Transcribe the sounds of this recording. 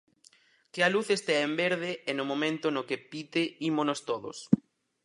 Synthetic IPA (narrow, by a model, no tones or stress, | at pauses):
kɪaluθest̪eaembeɾðeɛnʊmõmẽnt̪ʊnokepit̪eimonost̪oðo̰s